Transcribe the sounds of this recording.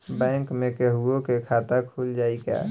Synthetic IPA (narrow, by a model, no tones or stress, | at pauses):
bɛ̃ːŋkmẽkɛɦuõkekʰaːt̪akʰuːld͡ʒaːika̰ː